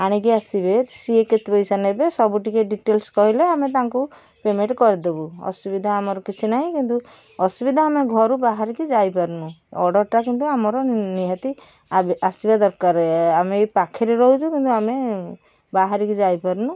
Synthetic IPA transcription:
aɽ̃ikiasibesieket̪ipɔjsanebesɔbuʈikeɖiʈelskɔɦileamet̪̬aŋku | pemeɳʈkɔɾid̪ebuɔ̰subid̪ʱaamɔɾɔkit͡ʃʰinaɦĩkint̪u | ɔsubid̪ʱaːmeɡʱɔɾubaɦaɾikid͡ʒajpaɾnũɔɖɔɾʈakint̪uamɔɾɔniɦat̪i | asibad̪ɔɾkaɾeamepakʰeɾeɾɔɦut͡ʃʰukint̪uame | baɦaɾikid͡ʒajpaɾnũ

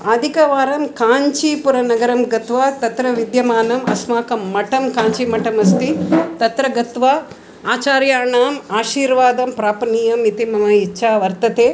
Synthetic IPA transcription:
aːd̪ʱikɐʋaːɾɐmkaːɲt͡ʃipuɾɐnɐɡɐɾɐmɡɐt̪ʋaːt̪ɐt̪ɾɐʋid̪jɐmaːnɐmɐ̰smaːkɐmːɐʈɐmkaːɲt͡ʃimɐʈɐmɐst̪it̪ɐt̪ɾɐɡɐt̪ʋaː | aːt͡ʃaːɾjaːɳaːmaːʃiːɾʋaːd̪ɐmpɾaːpɐniːjɐmit̪imɐmɐitːʃʰaːʋɐɾt̪ɐt̪eː

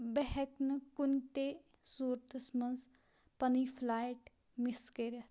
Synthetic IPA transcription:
bɛɦɛknɨkunt̪e | suːɾt̪əsmɐnz | pɐnifʰlaːjʈ | miskeɾɐt̪

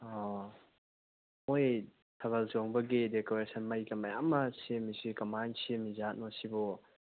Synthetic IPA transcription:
ɔ | moj | tʰɐβɐlsoŋbɐɡidekoɾesɐnmajɡɐmɐja̰mːɐsiemisikɐmansimizat̚nɔsibɔ

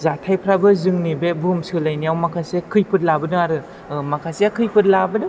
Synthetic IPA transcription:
zatʰajpʰɾabɯzɯŋnibebɯmsɯlajniawmakʰasekʰɯjpʰɯt̚labɯnɯaɾɯ | makʰaseakʰɯjpʰɯt̚labɯnɯ

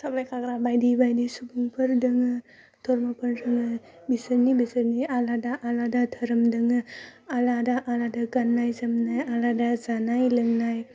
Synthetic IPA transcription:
sablajkʰaɡɾabajdibajdisubuŋpʰɯɾdɯŋɯ | tʰɔɾmapʰɯɾdɯŋɯ | bisəɾnibisɯɾnialadaʔaladatʰəɾɯmdɯŋɯaladaʔaladaɡanːajzɐmnajaladazanajlɯŋnaj

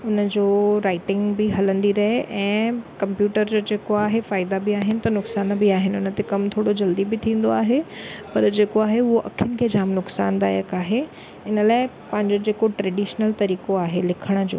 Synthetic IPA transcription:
ʊnəd͡ʑoːɾaːɪʈɪ̃ŋɡbɪɦɐlə̃nd̪iɾɐɦeʔɛ̃ːkɐ̃mpjuːʈəɾd͡ʑoːd͡ʑeːkoaːɦefaːɪd̪abɪaːɦɪnɪ̆t̪ɐnʊksaːnbɪaːɦɪnɪʊnə̆t̪ekɐmt̪ʰoːɽod͡ʑɐld̪ibɪt̪ʰĩːn̆d̪oaːɦepɐɾd͡ʑeːkoaːɦeʊɦoʔɐ̰kʰɪʊnɪ̆kʰeːd͡ʑaːmnʊksa̰ːnd̪a̰ːjə̰kaːɦe | ɪnəlaːɪ | pɐ̃ɦɪ̃ɲd͡ʑod͡ʑeːkoʈɾɛːɖiːʃnəlt̪ɐɾiːkoaːɦelɪkʰəɽ̃ə̆d͡ʑo̰ː

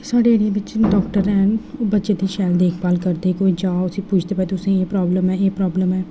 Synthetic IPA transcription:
saːɖeːɽiẽːʋɪt͡ʃɖɔːkʈəɾɛːnoːbətːʃeːd̪iːʃɛːld̪eːkʰbaːlkəɾd̪eːkoːiːd͡ʒaːosĩːpʊt͡ʃʰt̪eːpɛːt̪ʊsẽːeːpɾɔːbləmɛːeːpɾɔːbləmɛː

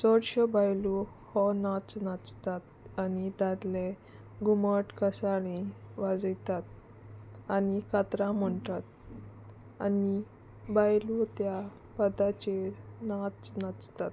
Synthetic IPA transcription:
sɔɽɕəbajlu | hɔnat͡snat͡st̪at̪̚anid̪ad̪le | ɡuməʈkəsaɽĩʋad͡zəjt̪at̪̚ | anikat̪ɾãm̤əɳt̪at̪̚ | ani | bajlut̪ja | pəd̪at͡ɕenat͡snat͡st̪at̪

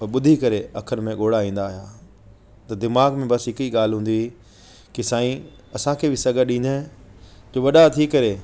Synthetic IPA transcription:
ɐɓʊd̪ʱikɐɾeɐkʰəɾmẽɠoːɽaĩːn̆d̪aːɦija | t̪ɐd̪ɪmaːɡmẽbɐsɦɪkiɠaːl̤ɦũːnd̪i | kisaːĩ | ɐsãkʰeːbʱɪsɐɡʱəɗĩːnd̪ə̃ | d͡ʑoːʋɐɗat̪ʰikɐɾe

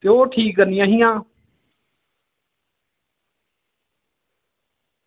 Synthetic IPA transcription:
t̪joːʈʰiːk̚ɡəɾnijãːɦɪjãː

